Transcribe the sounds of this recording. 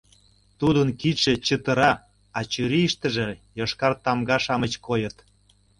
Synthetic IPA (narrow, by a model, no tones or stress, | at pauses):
t̪ud̪ənkiʃĕt͡ɕət̪ə̆ɾɑ | ɑt͡ɕyɾiʃt̪ə̆ʒĕjoʃkɑrt̪ɑmɡɑʃɑmət͡ɕkojət̪